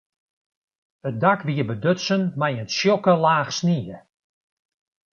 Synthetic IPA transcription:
ət̚dakʋiəbədøtsənmajənsjɔkəlaːxsniə

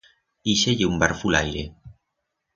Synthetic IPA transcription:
iʃeʎeumbaɾfula̰jɾe

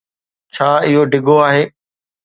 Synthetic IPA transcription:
t͡ɕʰaːɪɦoɖɪɡʱoaːɦeː

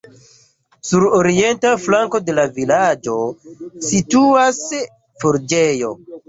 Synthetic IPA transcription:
suɾoɾie̞ntaflaŋko̞de̞lavilad͡ʒo̞situas | foɾd͡ʒejo̞

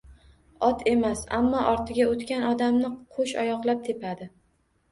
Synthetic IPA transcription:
ɒt̪ʰe̞masa̰mːɒʔɒɾt̪ʰɪɡʲaot̪kʲanɒd̪amnɪqʰoʃɒ̰jɒqlˠap̚t̪ʰe̞pʰad̪ɪ

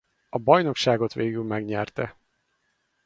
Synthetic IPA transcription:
ɒbɒjno̞kʃaːɡo̞t̪ʋeːɡylmɛɡɲɛrt̪ɛ

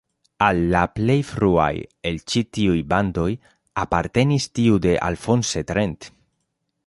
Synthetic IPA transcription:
alːaple̞jfɾua̰je̞lt͡ʃitiujband̪o̞j | apaɾt̪e̞nistiude̞ʔa̰lfo̞nset̪ɾent̪

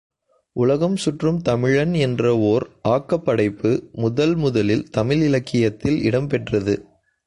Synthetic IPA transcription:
ʔʊlɐɣɐmsʊʈrɯmt̪ɐmɪɻɐnɛndrɐoːɾʔaːkːɐpːɐɽɐɪpːɯmʊðɐlmʊðɐlɪlt̪ɐmɪlɪlɐkːɪjɐt̪ːɪlɪɽɐmpɛʈrɐðɯ

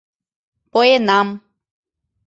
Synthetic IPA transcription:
pojenam

